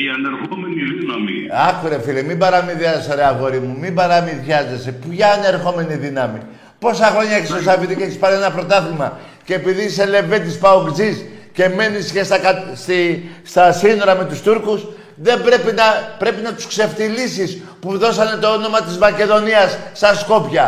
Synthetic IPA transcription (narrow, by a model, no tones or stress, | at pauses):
iɐneɾxomeniinɐmḭɐkuɾefilemibɐɾɐmiðjɐzsoɾeɐɣo̞ɾimumibɐɾɐmiðʝɐze̞se̞pʝɐːne̞ɾxo̞me̞niðinɐmḭ | po̞sɐxɾo̞ɲɐekst̪osɐpit̪icet̪ispɐɾeenɐpɾo̞t̪ɐθimɐ | ceːpiðisele̞vet̪ispɐobd͡zisce̞me̞nisçest̪ɐkɐst̪ist̪ɐsino̞ɾɐme̞t̪ust̪uɾkus | ðe̞bɾe̞pinɐpɾe̞pinɐt̪u̥skse̞ft̪ilisis | puðo̞sɐne̞t̪o̞ono̞mɐt̪izmɐce̞ðo̞niɐsːɐsko̞pçɐ